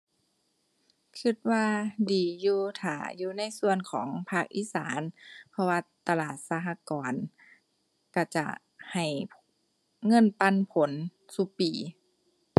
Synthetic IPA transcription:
kʰɯ˧˩t̪̚waː˧diː˨˩juː˧t̪ʰa̰ː˨˩juː˧na˧˥˨jsu˧ənkʰɔː˩˦ŋpʰaː˧˩k̚ʔḭː˧˥sa̰ː˨˦npʰɔ˧waː˧t̪a˧laː˨˩t̪̚saː˧ɦa˧kɔː˨˦n | ka˧˩t͡ɕa̰˧˩ʔ | ha˨˩j | ŋɤ˧˥˨npa˧˥˨npʰo˨˦nsu˧piː˨˩

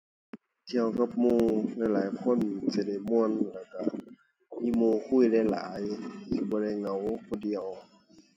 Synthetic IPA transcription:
t̪ʰi˧ə˨wka˧˥p̚muː˧˩la˧˩˨jlaː˨˦jkʰo˧˥˨nsi˧˩da˧˩jmu˧˨ə˨nlaː˧˩ka˧˩ | miː˧˥˨moː˧˨kʰu˧˥˨jlɛ˧˩˨la̰ː˨˦jsi˧˩bɔː˧ɾa˧˩˨jŋa˨˦wkʰɔː˧˩di˧əw

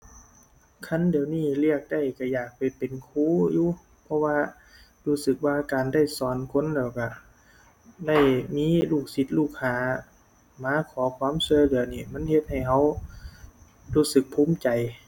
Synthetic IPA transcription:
kʰa˧˥˨ndi˨əwniː˧˩li˧˥˩ək̚da˧˩jka˧˩jaː˨˩k̚pa˨˩jpe˨nkʰuː˧˥˨juː˧˦ | pʰɔ˧waː˧ | luː˧˩sɯ˧˩k̚waː˧kaː˨nda˧˥˩jsɔː˨˩nkʰo˧˥˨nlɛː˧˩wka˧˩ | da˥˩jmiː˧˥˨luː˧˩k̚si˧˦t̪̚luː˧˩k̚ʰːaː˧˩ | maː˨˧˦kʰɔː˨˦kʰwaː˧˥˨mswɔ˧˨jlɯ˨˩˦ɐniː˧˩ma˧˥˨nhe˧t̪̚ha˧˨˩jɦa˧˥˩w | luː˧˩sɯ˧˦k̚pʰuː˧˥˨mt͡ɕa˨j

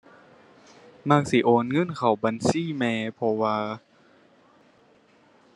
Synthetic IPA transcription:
maː˧˩k̚si˧˦ʔoː˨˦nŋɤ˧˥˨nkʰa˨˩wba˨nsiː˧˥˨mɛː˧pʰɔ˧waː˧

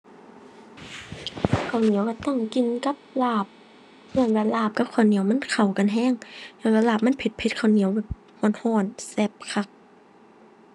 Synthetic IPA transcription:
kʰa˨˩wni˨˦əwka˧˩t̪ɔ˧˥˨ŋki˨nka˧˦p̚laː˧˩p̚ | hɯ˧˩˨nbaː˧˩laː˧˩p̚ka˧˥p̚kʰaː˧˩wni˨˦əwma˧˥˨nkʰa˨˩wka˨nɦɛː˧˨ŋnɛː˧˩wlɛː˧˩laː˧˩p̚ma˧˥˨npʰe˧t̪̚pʰe˧˦t̪̚kʰa˨˩wni˨˦əwbɛː˧˩p̚ | hɔː˧˩˨nhɔː˧˩˨nsɛ˧˩p̚kʰa˧˩k̚

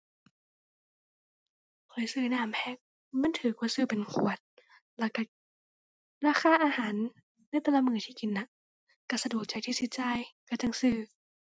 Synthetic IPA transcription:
kʰɤː˨˦jsɯː˧˩naː˧˩˨mpʰɛ˧˩k̚ | ma˧˥˨nt̪ʰɯː˨˩˦ku˧˨sɯː˧˩˨pe˨nkʰṵ˧˩ət̪̚ | lɛ˧˩ka˧˩ | ɾaː˧˩xʰaː˧˩ʔaː˧haː˨˦nː | a˧˥˨jt̪a˧˨la˧˥˨mɯː˧˩˦t̪ʰiː˧˩ki˨nːa˧˦ | ka˧˩sa˧du˨˩ək̚t͡ɕa˨˦jt̪ʰiː˧si˧t̪̚t͡ɕa˧jka˧˩t͡ɕa˧˨ŋsɯː˧˩

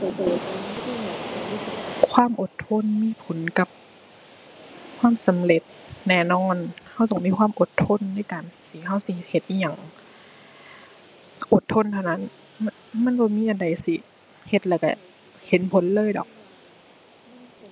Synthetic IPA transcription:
kʰwaː˧˥˨mʔo˨˩t̪ʰːo˧˥˨nmiː˧˥˨pʰo˨˦nka˧˦p̚ | kʰwaː˧˥˨msa˨˦mle˧˩t̪̚nɛː˧˩nɔː˧˥˨nha˧˩wt̪ɔː˧˩ŋmiː˧˥kʰwaː˧˥˨mʔo˨˧˦t̪ʰːo˧˥˨nːa˧˥˨jkaː˨nsi˧˦ha˧˥˩wsi˧˦he˧˩t̪̚ʔiː˧˩ɲa˨˩ŋ | ʔo˧˩t̪ʰːo˧˥˨nt̪ʰa˧˩wna˦˧˥n˥ | ma˧˥˨nbɔː˧˦miː˧˥˨ʔa˨nda˨˩jsi˧˦ | he˧˩t̪̚lɛː˧˩ka̰˧˩ | he˨˦npʰo˨˦nlɤː˧˥˨jdɔ̰˨˩˦k̚

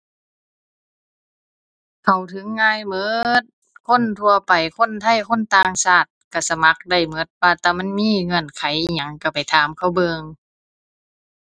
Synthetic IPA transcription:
kʰa˨˩wt̪ʰɯ˨˦ŋːaː˧˥˨jmɤ˧˥t̪̚ | kʰo˧˥˨nt̪ʰu˧ɐpa˨jkʰo˧˥˨nt̪ʰa˧˥˩jkʰo˧˥˨nt̪aː˧ŋsaː˧˩t̪̚ka˧˩sa˧˦ma˧˦k̚da˧˩jmɤ˧˥˦t̪̚waː˧t̪ɛː˧˩ma˧˥˨nmiː˧˥˨ŋɤ˧˩˨nkʰa˨˦jʔɲa˧˦ŋka˧˩pa˨jt̪ʰaː˨˦mkʰa˧˥˩wbɤː˧ŋ

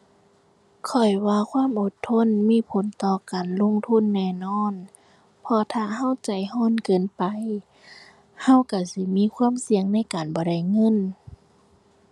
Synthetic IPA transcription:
kʰɔ˨˩jwaː˧kʰwaː˧˥˨mʔo˧˦t̪ʰːo˧˥˨nmiː˧˥˨pʰo˨˦nt̪ɔː˧˩kaː˨nlo˧˥˨ŋt̪ʰu˧˥˨nːɛː˧˩˨nɔː˧˥˨n | pʰɔ˧t̪ʰaː˧˩ɦa˧˥˨wt͡ɕa˨˩jhɔː˧˥˨nkɤː˨npa˨j | ha˧˥˨wka˧˩si˧˦miː˧˥˨kʰwaː˧˥˨msi˧əŋna˧˥˨jkaː˨nbɔː˧˦ɾa˧˩jŋɤ˧˥˨n

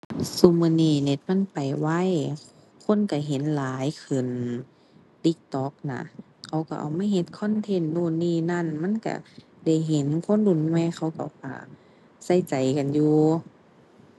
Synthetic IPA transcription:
su˧˨mɯː˧˨niː˧˩ne˧˦t̪̚ma˧˥˨npa˨˩jwa˧˥˨j | kʰo˧˥˨nka˧˩ɦe˨˦nlaː˨˦jkʰɯ˨˩n | t̪i˧˦k̚t̪ɔ˧˦k̚na̰˧ | kʰa˧˩wka̰˧˩ʔa̰˨˩wmaː˧˥˨ɦe˧˦t̪̚kʰɔ˧˥˨nt̪ʰe˧˥˨nduː˧˨niː˧˥˨na˧˥˨nma˧˥˨nka̰˧˩ | da˧˩jɦe˨˦nkʰo˧˥˨ndu˧˩˨nŋɔ˧˨jxʰa˧˩wka˧˩wka̰˧˩ | sa˧˩jt͡ɕa˨jka˨njuː˧

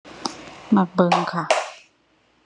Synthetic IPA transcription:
ma˧˩k̚bɤː˧ŋkʰa˥˩

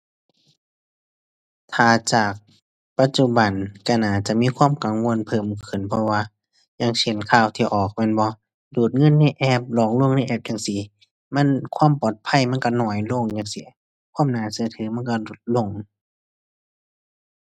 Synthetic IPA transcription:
t̪ʰaː˨˩t͡ɕaː˨˩k̚ | pa˧t̪̚t͡ɕu˧ba˨˩nka˧˩naː˨˩t͡ɕa˨˩ʔmiː˧˥˨kʰwaː˧˥˨mka˨ŋwo˧˨npʰɤː˨˩mkʰɯ˨˩npʰɔ˧waː˧˨ | ɲa˧ŋsʰe˨˦nkʰaː˧˩wt̪ʰiː˧ʔɔː˨˩k̚mɛː˧˥˨nbɔ˧˦ | duː˨˩t̪̚ŋɤ˧˥˨nːa˧˥˨jʔɛː˧˩p̚lɔː˨˩ŋlu˧˥˨ə˨ŋna˧˨ʔɛː˧˩p̚ja˧˨ŋsi˧˦ | ma˧˥˨nkʰwaː˧˥˨mpɔː˨˩t̪̚pʰa˧˥˨jma˧˥˨nka˧nɔː˧˩jlo˧˨ŋjaː˧˨ŋsi˧˦ | kʰwaː˧˥˨mnaː˧˩˨sɯ˧˦t̪ʰɯː˨˦ma˧˥˨nka˧lo˧˩˦t̪̚lo˧˩˨ŋ

